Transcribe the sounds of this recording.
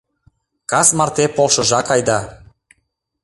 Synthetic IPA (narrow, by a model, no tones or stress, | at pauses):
kɑsmɑrt̪epolˠʃɤ̆ʒɑkɑjd̪ɑ